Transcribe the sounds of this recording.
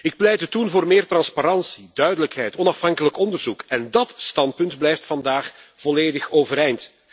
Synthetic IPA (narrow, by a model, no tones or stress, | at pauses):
ɪk̚plɛjdətunvoːrmɪːrtrɑnspaɾɑnsidœɥdələkɦɛjtɔnɑfɦɑŋkələkɔndərzukɛndɑtstɑnt̚pɵntblɛjftfɑndaːxv̥ɔleːdəxoːvəɾɛjnt